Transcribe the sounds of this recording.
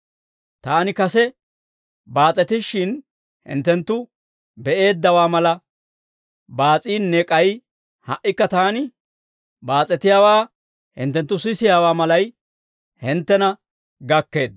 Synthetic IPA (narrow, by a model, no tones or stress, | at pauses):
t̪aːnɪkɐsɛ | baːt͡sʼɛt̪ɪʃɪn | hɪ̰nt̪ːɛnt̪ːʊ | bɛʔe̞ːd̪ːɐwaːmɐlɐ | baːt͡sʼiːnːɛkʼɐj | hɐʔːɪkːɐt̪aːnɪ | baːt͡sʼːɛt̪ɪjaːwaː | hɪ̰nt̪ːɛnt̪ːʊsɪsɪjaːwaːmɐlɐj | hɪnt̪ːɛnɐ | ɡɐkːe̞ːd̪